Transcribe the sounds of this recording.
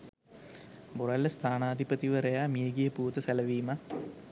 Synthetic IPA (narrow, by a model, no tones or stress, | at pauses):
boɾɐlːəst̪ʰaːnaːd̪ʱipət̪iʋəɾejaːmijeɡijəpuːt̪əsælɐʋiːma